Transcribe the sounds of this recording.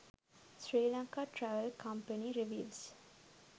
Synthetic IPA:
sɾiːlãŋkaʈɾæʋəlkʰampəniɾiʋils

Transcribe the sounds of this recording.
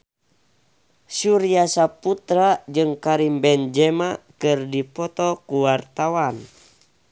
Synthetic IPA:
suɾiasaput̪ɾad͡ʒɨŋkaɾimbɛnd͡ʒɛmakɨrdipɔt̪ɔkuwart̪awan

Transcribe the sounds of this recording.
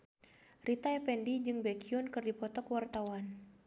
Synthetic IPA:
rʔit̪aɛfɛndid͡ʒɨŋbɛkiunkɨrdipɔt̪ɔkwart̪awan

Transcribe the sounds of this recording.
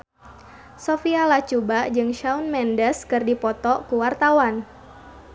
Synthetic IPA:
sofialat͡ʃubad͡ʒɨŋʃaunmɛndəskɨrdipɔt̪ɔkuwart̪awan

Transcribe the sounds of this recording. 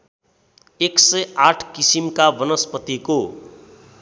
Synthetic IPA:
eksʌjaʈʰkisimkabʌnʌspʌt̪iko

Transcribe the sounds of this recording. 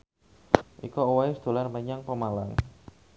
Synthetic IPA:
ʔḭkowaɪsd̪̥o̤larməɲaŋpəmalaŋ

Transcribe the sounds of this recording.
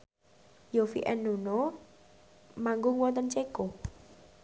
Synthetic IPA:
jofḭʔɛnːuno | maŋɡʊŋwɔnt̪ənt͡ʃeko

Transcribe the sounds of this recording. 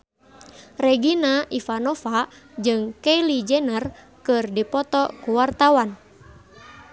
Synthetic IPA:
rɛɡinaʔifanɔfa | d͡ʒɨŋkɛjlid͡ʒɛnər | kɨrdipɔt̪ɔkuwart̪awan

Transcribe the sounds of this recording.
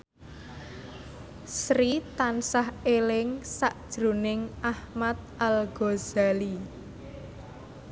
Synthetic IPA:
sɾit̪ansahelɪŋsaʔd̥ʒ̥ɾṳnɪŋʔahmat̪̚ʔalɡ̥oz̥ali

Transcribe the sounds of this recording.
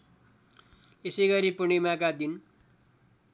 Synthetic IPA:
esejɡʌɾipunimakad̪in

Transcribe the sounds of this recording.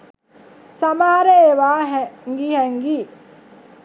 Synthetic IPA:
sɐmaːaɾeeʋaːɦɛŋɡihɛŋɡiː

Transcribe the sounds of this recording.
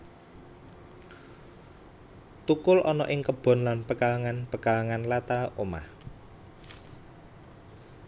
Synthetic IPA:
t̪ukʊlʔɔnɔʔɪŋkəb̥ɔ̤nlanpəkalaŋanpəkalaŋanlat̪aoma̰h

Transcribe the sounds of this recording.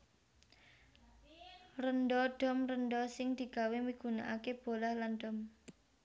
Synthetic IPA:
rəndɔɖ̥ɔ̤mrənd̪ɔsɪŋd̪̥i̤ɡ̥a̤wemiɡ̥ṳna̰ʔakeb̥o̤lahlanɖ̥ɔ̤m

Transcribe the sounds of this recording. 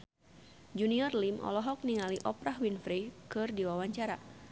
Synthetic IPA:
d͡ʒuniɔrlimɔ̰lɔɦɔk̚niŋaliʔɔpɾahwinfɾikɨrdiwawaɲt͡ʃaɾa̰

